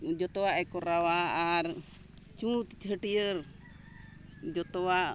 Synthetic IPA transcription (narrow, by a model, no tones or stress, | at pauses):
d͡ʒɔt̪ɔwaʔɛkɔɾawaːɾ | t͡ʃũt̪it͡ʃɦəʈiəɾ | d͡ʒɔt̪ɔwaʔ